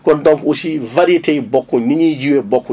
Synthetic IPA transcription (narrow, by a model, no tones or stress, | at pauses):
kɔndɔmkusivaɾitebɔkːɔniɲid͡ʒiwɛbɔkːɔ